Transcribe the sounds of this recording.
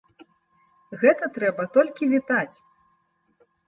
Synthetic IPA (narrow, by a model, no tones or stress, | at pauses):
ɣɛt̪ɐt̪ɾɛbɐt̪ɔlʲkʲivʲit̪at͡sʲ